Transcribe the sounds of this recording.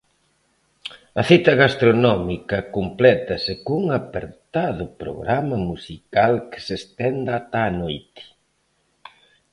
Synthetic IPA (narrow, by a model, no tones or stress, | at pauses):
ɐθit̪ɐɣast̪ɾonɔmikɐkomplɛt̪ɐsekuŋapeɾt̪aðʊpɾo̰ɣɾamɐmusikalkɪ̥sest̪ɛnd̪at̪aːnojt̪ɪ̥